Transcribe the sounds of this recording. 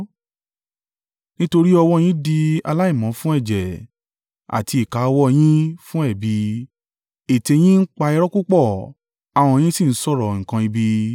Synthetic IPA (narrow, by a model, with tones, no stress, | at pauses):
nĩ˦to˧ɾi˦ɔ˧wɔ˦˧j̃ĩ˦di˧a̰˧la˦i˦˨mã˨˦fũ˦ɛ˦˨d͡ʒɛ˨ | a̰˨ti˧i˨ka˨˦˧wɔ˧j̃ĩ˦fũ˦ɛ˦˨bi˨˧ | e˨te˧j̃ĩ˦n̩˦k͡pa˧ɛ˧ɾɔ˦ku˦k͡pɔ˦˨ | a˨w̃ɔ̃˧j̃ĩ˦si˦˨n̩˦sɔ˦˨ɾɔ˨ŋ̩˨kã˧i˧bi˧